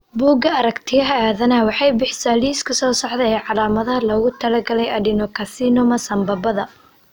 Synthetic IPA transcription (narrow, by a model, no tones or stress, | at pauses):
buːɡɐɐɾɐkt̪ʰɪjɐɦɐaːðɐnɐwɑħɑjbɪħsaːliːskʰɐsɔːsɑħðɛjɛjʕɑlaːmɐðɐɦɐlɐɣʊt̪ʰɐlɐɡɐlɛjɐɖɪnɔkʰɐsiːnʊmɐsɐmbɐbɐðɐ